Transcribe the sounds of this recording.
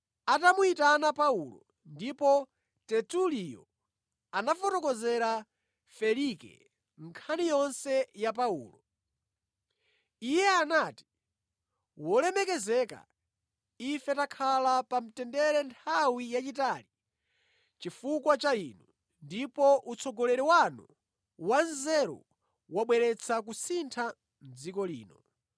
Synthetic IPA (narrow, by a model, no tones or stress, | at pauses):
atamuitanapaulɔ̰ | ndipɔ | tɛtulijɔ̰ | anafɔtɔkɔzɛɾa | fɛlikɛ̰ | ŋ̩kʰanijɔnsɛjap̬aṵːlɔ | ijɛanaːti̥ | wɔlɛmɛkɛzɛka̰ | ifɛtakʰalapam̩tɛndɛɾɛntʰawijat͡ʃitali | t͡ʃifukwat͡ʃainu | ndipɔʔut͡sʰɔɡɔlɛɾɛwanṵ | wanzɛɾɔ̰ | waɓwɛɾɛt͡sʰakusintʰa | m̩d͡zikɔlḭːnɔ